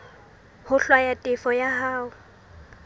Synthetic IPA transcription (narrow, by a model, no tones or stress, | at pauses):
hʊɬwajatʼɪfɔjahaːʊ